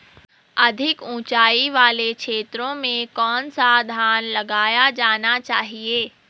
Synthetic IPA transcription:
ɐd̪ʱɪkũːt͡ʃaːiʋaːlekʃeːt̪ɾõmẽkɔːnsad̪ʱaːnlɐɡaːjad͡ʒaːnat͡ʃaːɦieː

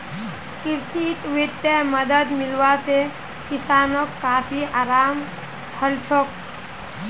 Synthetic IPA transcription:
kɪɾʃit̪wɪd̪jəməd̪əd̪mɪlwase | kɪsaːnokːaːpʰiaːɾaːm | həlt͡ʃʰok

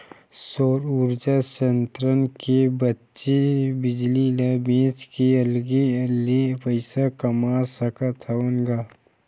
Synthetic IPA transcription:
soːɾuɾd͡ʒaʃənt̪ɾənkebətːʃebɪd͡ʒlilɐbẽːt͡ʃkeɐlɡelepəɪsakɐmasɐkat̪ʰaunɡa

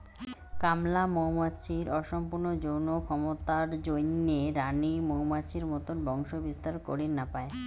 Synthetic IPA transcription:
kamlamowmat͡ɕʰiɾɔʃɔmpuɾnod͡ʑownokʰɔmot̪aɾd͡ʑojnːeɾanimowmat͡ɕʰiɾmɔt̪onbɔŋʃobist̪aɾko̰ɾinapae

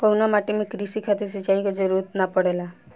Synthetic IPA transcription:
kounamaʈimekɾisikʰat̪iɾs̬it͡ʃaikɔd͡ʒɔɾuɾt̪napəɽela

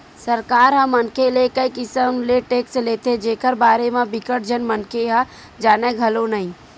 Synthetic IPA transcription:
səɾkaːɾɦə̃mənkelekəikɪsənleʈeːksleːt̪ed͡ʒeːkəɾbaːɾemẽbɪkəʈ̚d͡ʒənmənkʰeɦə̃ | d͡ʒaːnɛɡʱəlonəɦĩ

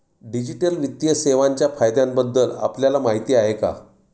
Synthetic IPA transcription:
ɖid͡ʑiʈəlʋit̪jəseʋaɲt͡ɕjafajd̪jãmbəd̪ːəla̰pljalamaɦit̪iːaɦeka̰

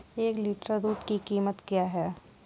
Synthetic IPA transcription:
eːkliːʈɾaɾuːʈ̪kikiːmət̪kjaːɦɛː

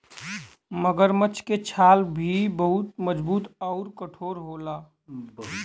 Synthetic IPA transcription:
məɡəɾmət͡ʃʰket͡ʃʰaːlbʱibəɦʊt̪məd͡ʒbuːt̪ɔʊɾkəʈʰoːɾɦolaː

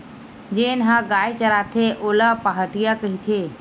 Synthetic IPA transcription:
d͡ʒeːnɦãɡaːjt͡ʃəɾaːt̪ʰeʔoːlapaɦəʈijakəɦit̪ʰe

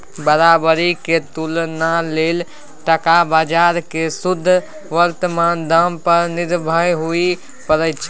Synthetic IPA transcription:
bəɾabəɾiket̪ulnalel | ʈəkabad͡ʒaɾkesud̪ʱː | ʋəɾt̪əmand̪əmpəɾniɾbʱəjɦui | pəɾət͡ʃʰ

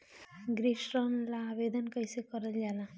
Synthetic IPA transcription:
ɡɾiʃɾənlaːbed̪ənkəjsekəɾəld͡ʒala

